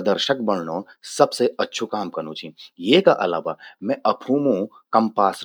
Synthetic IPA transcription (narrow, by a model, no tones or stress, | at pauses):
d̪əɾʃək̚bɐɽ̤noːsɐbseɐtːʃʰukaːmkɐɾñũt͡ʃʰijeːkaʔɐ̰la̰ːʋamɛ̃ʔɐpʰũːmũ | kɐ̃mpaːs